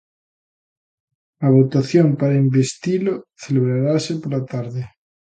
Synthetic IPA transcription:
aβ̞ot̪aθjompaɾaimbest̪iloθeleβɾaɾasepoɾlat̪aɾðe

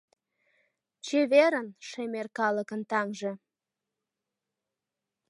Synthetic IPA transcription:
t͡ɕeβeɾənʃemerkɑləkənt̪ɑŋʒĕ

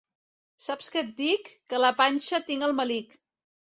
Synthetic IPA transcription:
sapskət̪̚d̪ikːələpanʲʃət̪iŋəlˠməlik

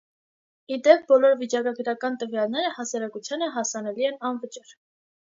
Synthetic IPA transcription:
id̪ɛp̚bɔlɔɾvit͡ʃɑkɑɡəɾɑkɑnt̪əvjɑlnɛɾəhɑsɑɾɑkut͡sʰjɑnəɦɑsɑnɛliɛnɑnvət͡ʃɑɾ

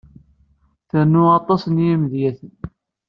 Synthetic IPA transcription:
θænːʊɑt̪ˤɑsnjæmðjæθən

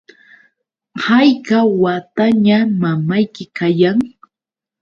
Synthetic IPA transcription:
hajkawat̪aɲamamajkɪkajaŋ

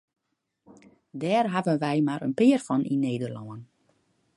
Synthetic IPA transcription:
dɛːrɦavənʋɛjmaɾə̰npɪərfɔnʔineːdərlɔən

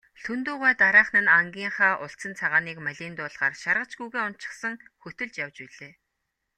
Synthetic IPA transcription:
ɬʰɵnt̪uːʁæːt̪aɾaːχnɘ̆naŋɡʲiːɴχaːʔʊɬt͡sə̆nt͡sʰaʁaːniːkmæɮʲiːnt̪ʊːɮʁaːrʃarʁə̆t͡ɕɡujɣeːʊnt͡ɕɪ̥̆χsə̆ŋxɵt̪ɵ̆ɮt͡ɕjawt͡ɕpiɮeː

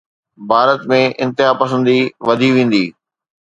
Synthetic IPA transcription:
bʱaːɾət̪mẽʔɪ̃nt̪ɪɦaːpɐsə̃nd̪iʋɐd̪ʱiʋẽːn̆d̪iː

